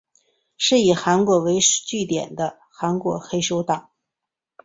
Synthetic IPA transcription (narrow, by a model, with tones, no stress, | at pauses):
ʂɻ̩˥˩i˨˩xa˧˥nkwɔ˧˥we˧˥ɪʂt͡ɕy˥˩t̪jɛ̰˨˩nd̪ə˦ | xa˧˥nkwɔ˧˥xe˥ɪʂo˥ʊt̪ɑ˨˩˦ŋ